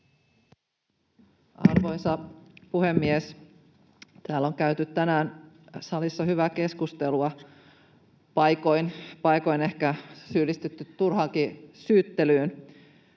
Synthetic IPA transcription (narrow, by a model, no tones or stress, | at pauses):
ɑ̰rʋo̞jsɑpuhe̞mːies | t̪æːlːo̞ŋkæyt̪yt̪t̪ːænæːn | sɑlisːɑɦyʋæke̞skust̪e̞luɑ | pɑjko̞jnpɑjko̞jne̞hkæsyːlːist̪et̪ːyt̪ːurɦɑːkisyːt̪ːe̞lyːn